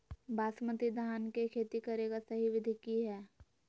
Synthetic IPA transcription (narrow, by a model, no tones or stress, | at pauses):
baːsmət̪id̪ʱaːnkekʰeːt̪ikɐɾeːɡasɐɦiʋɪd̪ʱɪkiɦɛː